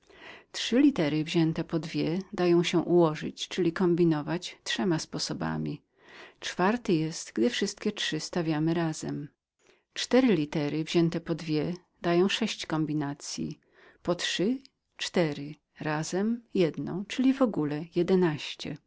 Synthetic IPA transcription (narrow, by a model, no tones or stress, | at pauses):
tʂɘlʲit̪ɛɾɘvʑɛnt̪ɛpɔd̪vʲjɛd̪ajɔ̃w̃ɕɛʔuwɔʐɘ̰t͡ɕt͡ʂɘlʲikɔmbʲinɔvat͡ɕtʂɛmaspɔsɔba̰mʲi | t͡ʂfaɾt̪ɘjɛst̪ɡd̪ɘfʂɘst̪kʲɛtʂɘst̪avʲjamɘɾaz̥ɛ̰m | t͡ʂt̪ɛɾɘlʲit̪ɛɾɘvʑɛnt̪ɛpɔd̪vʲjɛ | d̪ajɔ̃w̃ʂɛɕt͡ɕkɔmbʲinat̪sʲjḭ | pɔtʂɘ | t͡ʂt̪ɛɾɘ | ɾazɛmjɛd̪nɔ̰̃w̃t͡ʂɘlʲivɔɡulɛjɛd̪ɛnaɕt͡ɕɛ̰